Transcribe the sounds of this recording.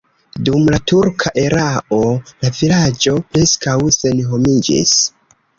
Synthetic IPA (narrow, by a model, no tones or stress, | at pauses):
dumlatuɾkʰaʔe̞ɾaʔo̞lavilad͡ʒo̞pɾe̞skawse̞nɦo̞mid͡ʒḭs